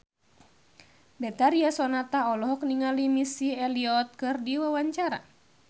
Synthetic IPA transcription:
bɛt̪aɾiasɔnat̪aɔlɔɦɔk̚niŋalimisiɛliɔt̪̚kɨrdiwawaɲt͡ʃaɾa̰

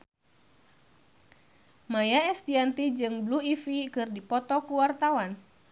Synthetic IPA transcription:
majaɛst̪iant̪id͡ʒɨŋbluifikɨrdipɔt̪ɔkuwart̪awan

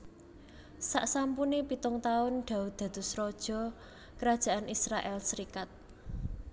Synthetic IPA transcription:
saʔsampunepit̪ʊŋt̪aʊnɖ̪̥a̤ud̪̥ä̤d̪̥ṳsɾɔd̥ʒ̥ɔ̤ | kəɾad̥ʒ̥a̤ʔanisɾaʔɛlsəɾikat̪̚

